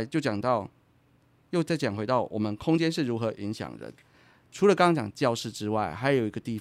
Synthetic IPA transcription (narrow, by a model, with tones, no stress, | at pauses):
t͡ɕjo˥˩ʊt͡ɕjɑ˨˩ŋt̪ɑ˥˨ʊ | jo˥˧ʊt͡sa˥˩ɪt͡ɕɑ˨˩ŋxwe˧ɪt̪ɑ˥˩ʊwʔɔ̰˨˩mə˦nkʰʊ˥ŋt͡ɕjɛ˥nʂ̬ɻ̩˥˩ɻu˧˥xɤ˧˥ʔi˧˦ŋɕjɑ̰˨˩ŋɻə̰˧˦n | ʈ͡ʂʰu˧˥lə˨kɑ˥ŋɑ˥ŋt͡ɕjɑ̰˨˩ŋt͡ɕjɑ˥˧ʊʂɻ̩˥˨ʈ͡ʂɻ̩˦wa˥˩ɪxa˧˥ɪjo˨˩ʊi˧˥ɡə˧t̪i˥˧˩